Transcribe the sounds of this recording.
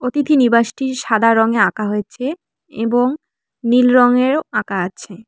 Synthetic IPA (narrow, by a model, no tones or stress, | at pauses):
ot̪it̪ʰinibaʃʈiɾʃad̪ʱaɾɔŋeakaɦojet͡ɕʰe | ḛboŋ | nilɾɔŋeɾakaat͡ɕʰe